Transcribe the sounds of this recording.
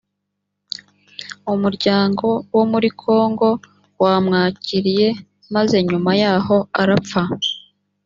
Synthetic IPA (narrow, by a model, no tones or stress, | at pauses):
umuɾɟaːŋɡo̞womuɾikʰo̞ːŋɡo̞ | waːmŋaːciɾije̞ | maze̞ɲumajaːho̞aɾap͡fa